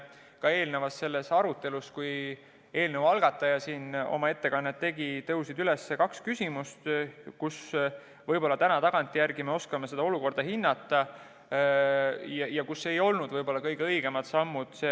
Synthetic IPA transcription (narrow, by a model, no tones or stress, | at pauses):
kɑe̞ːlnevɑsse̞lːe̞sɑɾut̪ːˑe̞luskuj | e̞ːlnevɑlɡ̥ɑt̪ːˑɑjɑsiːno̞̰mɑe̞t̪ːe̞kɑnːet̪ːe̞ɡ̥it̪ɤwsid̪ylesːekɑkskysʲimust̪kus | vɤjb̥o̞lːɑt̪ænɑt̪ɑɡ̥ɑnt̪ʲːˑijærɡime̞o̞skɑme̞se̞d̪ɑo̞luko̞rd̪̥ɑɦinːɑt̪ːˑɑ | jɑjɑkusːeejo̞lnud̪vɤjbo̞lːɑkɤjɡ̥eɤjɡ̥e̞mɑd̪̥sɑmːud̪̥se